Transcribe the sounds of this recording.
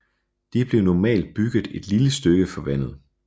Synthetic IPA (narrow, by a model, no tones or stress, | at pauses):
d̥ib̥le̝ʊnɒmɛ̰ːld̥̚b̥yɡ̥ð̩ˠe̝d̥liləsd̥øɡ̥əfɒ̽ʋæn̰ð̩ˠ